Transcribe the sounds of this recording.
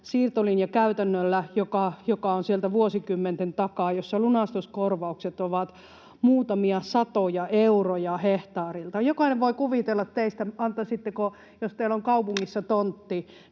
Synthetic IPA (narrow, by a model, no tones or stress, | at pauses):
siːrt̪olinjɑkæyt̪ænːølːæjokɑjokɑˑonsielt̪æʋuosikymːent̪ent̪ɑkɑˑjosːɑlunɑˑst̪oskorʋɑukset̪oʋɑt̪ | muːt̪ɑmiɑsɑt̪ojɑʔeurojɑheht̪ɑːrilt̪ɑjokɑˑineʋʋoikuʋit̪elːɑt̪t̪eist̪æɑnt̪ːˑɑsit̪ːeko | jost̪eiloŋkɑupuŋːisːɑt̪ont̪ːi